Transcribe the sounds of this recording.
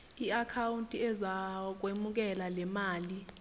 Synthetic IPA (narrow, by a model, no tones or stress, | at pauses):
iakʰawuntʼiɛzak̬wemuk̬ɛlalɛmaːli